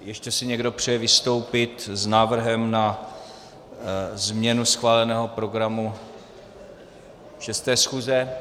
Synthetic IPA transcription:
jɛʃcɛsɪɲɛɡdo̞pr̝̥ɛjɛvɪst̪o̞wpɪt̪znaːvr̩ɦɛmna | zmɲɛnusxvaːlɛnɛːɦo̞pɾo̞ɡɾamu | ʃɛst̪ɛːsxuːzɛ

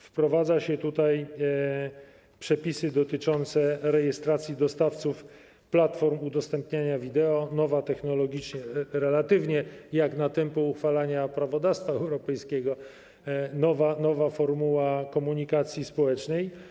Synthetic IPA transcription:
fpɾɔvad̪zaɕɛt̪ut̪aj | pʂɛpʲisɘd̪ɔt̪ɘt͡ʂɔnt̪sɛɾɛjɛst̪ɾat̪sʲjid̪ɔst̪aft̪suf | plat̪fɔɾmud̪ɔst̪ɛmpɲaɲavʲid̪ɛɔnɔvat̪ɛxnɔlɔɡʲit͡ʂɲɛɾɛlat̪ɘvɲɛjaknat̪ɛmpuuxfalaɲapɾavɔd̪afst̪faɛwɾɔpɛjskʲɛɡɔ | nɔvanɔvafɔɾmuwakɔmuɲikat̪sʲjispɔwɛt͡ʂnɛj

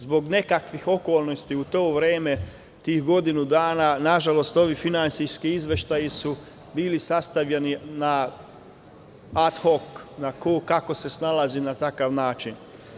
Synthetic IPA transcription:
zbo̞ɡne̞kakʋixo̞ko̞ːlˠno̞st̪iut̪o̞ːʋɾeːme̞ | t̪iːxɡo̞d̪inud̪aːnanaʒalo̞st̪o̞ʋifinant̪sijskiizʋe̞ʃt̪ajisu | biːlisast̪aʋʎenina | at̪xo̞knakoukako̞se̞snalˠazinat̪akaʋnaːt͡ʃin

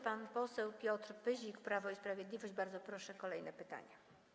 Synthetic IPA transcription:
panpɔsɛwpʲjɔt̪ɾpɘʑikpɾavɔispɾavʲjɛd̪lʲivɔɕd͡ʑbaɾd̪zɔpɾɔʂɛkɔlɛjnɛpɘt̪a̰ɲa

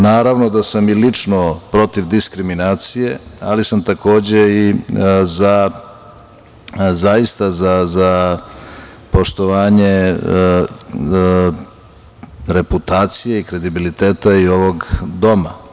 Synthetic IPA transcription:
naːɾaʋno̞d̪asamilit͡ʂnopɾo̞t̪iʋd̪iskɾiminaːt̪sije̞alisamt̪ako̞ːd͡ʑe̞iza | zaist̪azaza | po̞ʃt̪o̞ʋaːɲe̞ | ɾe̞put̪aːt̪sijeikɾe̞d̪ibilit̪eːt̪aio̞ʋo̞ɡd̪o̞ma

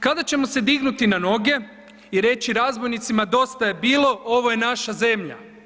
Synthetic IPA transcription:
kad̪at͡ɕe̞mo̞sed̪iɡnut̪inano̞ɡe̞ | iɾe̞t͡ɕiɾazbo̞jnit̪simad̪o̞st̪aje̞biːlo̞ʔo̞ʋo̞je̞naʃaze̞mʎa̰

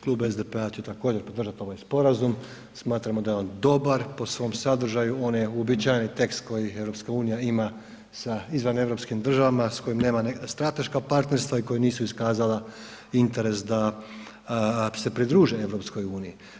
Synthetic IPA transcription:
klˠuːbezd̪epe̞at͡ɕet̪akoːd͡ʑe̞ɾpo̞d̪r̩ʒat̪io̞ʋajspo̞ɾazum | smaːt̪ɾamod̪ajeo̞ːnd̪o̞baɾpo̞sʋo̞ːmsad̪r̩ʒajuo̞njeuobit͡ɕajnit̪e̞kst̪ko̞jie̞vɾo̞pskauːnijaima | saizʋane̞vɾo̞pskimd̪r̩ʒaʋamasko̞jimne̞ːmanst̪ɾat̪e̞ʃkapaɾt̪ne̞ɾst̪ʋaiko̞jeniːsuiskaːzala | int̪e̞ɾe̞sd̪a | se̞pɾid̪ɾuːʒie̞ʋɾo̞psko̞juːniji

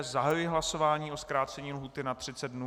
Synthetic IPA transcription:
zaɦajujɪɦlaso̞vaːɲiːʔo̞skɾaːt͡sɛɲiːlɦuːt̪ɪnat̪r̝̥ɪt͡sɛd̪̚dnu

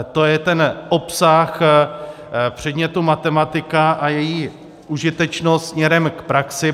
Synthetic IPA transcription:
t̪o̞jɛt̪ɛnʔo̞psax | pr̝̥ɛd̪ɲɛt̪umat̪ɛmat̪ɪkaʔajɛjiː | uʒɪt̪ɛt͡ʃnot̪smɲɛɾɛmkpɾaksɪ

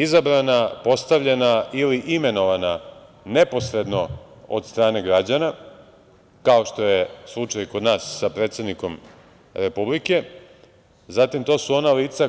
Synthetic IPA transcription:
izabɾanapo̞st̪aʋʎenailiʔime̞no̞ʋana | ne̞po̞sɾe̞d̪no̞o̰d̪st̪ɾaːne̞ɡɾad͡ʑana | kao̞ʃt̪o̞je̞slˠut͡ʃajikod̪naːsːapɾet̪sed̪niko̞m | ɾe̞publike̞ | zat̪imt̪o̞ːsuo̞naliːt̪sa

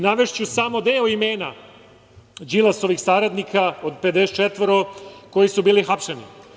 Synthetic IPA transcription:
naʋe̞ʃt͡ɕusamo̞d̪e̞ːoime̞ːna | d͡ʒilˠaso̞ʋixsaɾad̪nikʰaod̪̚pe̞d̪eset͡ʃet̪ʋɾoko̞jisubiːlixapʂenḭ

